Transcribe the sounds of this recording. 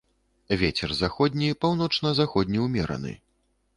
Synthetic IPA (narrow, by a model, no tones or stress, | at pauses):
vʲet͡sʲɛrzaxɔd̪ʲnʲipawnɔt͡ʂnɐzaxɔd̪ʲnʲiwmʲɛɾɐ̰nɨ̰